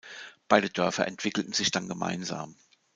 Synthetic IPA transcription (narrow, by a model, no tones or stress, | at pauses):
b̥aɪɾəd̥œɐfɐ̰ʔɛntv̥ɪkl̩tn̩zɪçd̥anɡəmʔa̰ɪnza̰ːm